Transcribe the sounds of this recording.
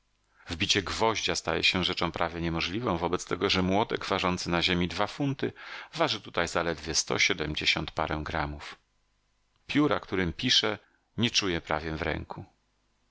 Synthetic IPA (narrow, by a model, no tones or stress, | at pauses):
vbʲit͡ɕɛɡvɔʑd͡ʑast̪a̰jɛ̰ɕɛʐɛt͡ʂɔ̃w̃pɾʔavʲjɛɲɛmɔʐlʲivɔ̃w̃vɔbɛt̪st̪ɛɡɔʐɛmwɔd̪ɛɡvaʐɔnt̪sɘnaʑemʲid̪vafunt̪ɘvaʐɨt̪ut̪ajzalɛd̪vʲjɛst̪ɔ̰ɕɛd̪ɛmd͡ʑeɕɔnt̪pa̰ɾɛw̃ɡɾamuf | pʲjuɾa̰kt̪uɾɘmpʲiʂɛ | ɲɛt͡ʂujɛpɾavʲjɛvɾɛ̰ŋku